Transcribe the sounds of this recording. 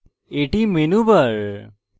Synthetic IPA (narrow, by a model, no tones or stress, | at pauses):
eʈimenubɐɭ